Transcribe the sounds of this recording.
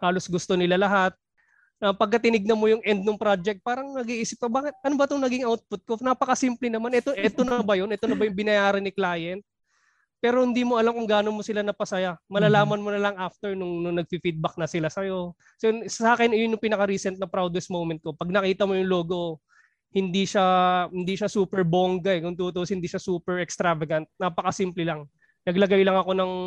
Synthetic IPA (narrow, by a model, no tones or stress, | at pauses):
haːlo̞sɡʊst̪o̞nɪlalɐɦat̪̚ | ɐpɐɡ̚kɐt̪ɪnɪɡ̚nɐmo̞jʊŋʔɛnd̪̚nʊŋpɾad͡ʒɛk̚t̪̚paːɾɐŋnɐɡiʔiːsɪp̚kɐbaːkɪt̪̚ʔɐnobɐt̪oŋnɐɡɪŋʔawt̪̚pʊt̪̚konapɐkɐsimplɪnɐmanʔɛt̪oʔɛt̪o̞nɐbɐjo̞nɛt̪o̞nɐbɐjʊŋbɪnɐjaːɾɐnɪklaːjɛnt̪̚ | pɛːɾohɪnd̪iːmoʔɐlamkʊŋɡaːno̞nmosɪlanɐpɐsɐjamɐlɐlaːmɐnmonɐlɐŋʔaft̪ɛɹnʊŋnʊŋnɐɡ̚fifid̪̚bɐk̚nɐsɪlasɐjo̞ | sɛsɐaːkɛnɪjonjʊŋpɪnɐkɐɾiːsɛnt̪̚nɐpɾawd̪wɛsmowmɛnt̪̚ko̞pɐɡ̚nɐkiːt̪ɐmo̞jʊŋlo̞ːɡo̞ | hɪnd̪iʃahɪnd̪iʃɐsuːpɛɹboŋɡɐɛkʊŋt̪ut̪uoshɪnd̪iːʃɐsuːpɛɹɛkst̪ɾavɐɡɐnt̪̚naːpɐkɐsimplɪlɐŋ | nɐɡlɐɡajlɐŋɐko̞nɐŋ